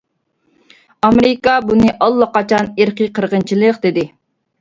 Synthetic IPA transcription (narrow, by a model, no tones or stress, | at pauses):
ɑmeɾɪkɑbunɨʔɑlˠːɑqɑt͡ʃʰɑneɾqiqʰəɾʁənt͡ʃʰilˠəqd̪ɪd̪ɪ